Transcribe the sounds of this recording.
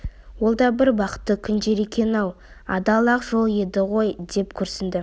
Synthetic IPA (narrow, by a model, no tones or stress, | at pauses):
wo̞lˠd̪ɑbɪɾbɑqə̥t̪ːəkʲʰʏnd͡ʒ̪e̞ɾe̞kʲe̞nɑw | ɑ̰d̪ɑlˠɑqʒo̞lˠjed̪ɪʁo̞jd̪e̞pkʲʰɵɾsɪnd̪ɪ